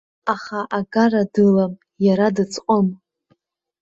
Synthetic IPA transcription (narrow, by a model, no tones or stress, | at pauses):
aχaʔaɡaradɨlam | jaɾadɨt͡sʼqʷʼəm